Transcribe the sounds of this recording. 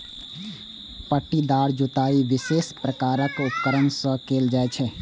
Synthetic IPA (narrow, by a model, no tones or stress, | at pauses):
pəʈːid̪aːɾd͡ʒut̪aːiʋɪseːspɾəkaːɾəkʊp̚kəɾənsə̃keːld͡ʒaːet͡ʃʰɛ